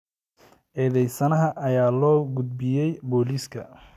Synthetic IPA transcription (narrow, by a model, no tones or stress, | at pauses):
ʔɛːðɛjsɐnɐɦɐʔɐjaːlɔːɡʊd̪̚bɪjɛjbɔːliːskʰɐ̰